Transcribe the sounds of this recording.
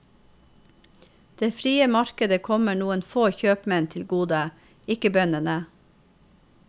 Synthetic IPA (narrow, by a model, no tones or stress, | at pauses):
d̪̥eːfɾiːəmɑɾkəd̪əkʰɔməɳuːənfoːçøːpmɛnt̪ʰɪlɡuːd̪ə | ɪkəbœnənə